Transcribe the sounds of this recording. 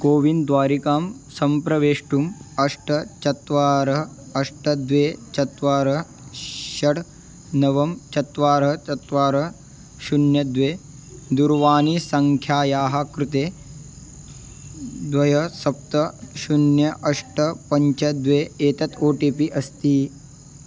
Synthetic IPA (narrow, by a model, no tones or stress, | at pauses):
koːʋind̪ʋaːɾikaːmsɐmpɾɐʋeːʂʈumɐʂʈɐt͡ʃɐt̪ʋaːɾɐ | ɐʂʈɐd̪ʋeːt͡ʃɐt̪ʋaːɾɐ | ʃɐɽ | nɐʋɐmt͡ʃɐt̪ʋaːɾɦɐt͡ʃɐt̪ʋaːɾɐ | ʃunjɐd̪ʋeː | d̪uɾʋaːnisɐŋkʰjaːjaːɦɐkɾut̪eː | d̪ʋɐjɐsɐp̚t̪ɐʃunjɐʔɐʂʈɐpɐɲt͡ʃɐd̪ʋeːeːt̪ɐt̪oːʈiːpiʔɐst̪iː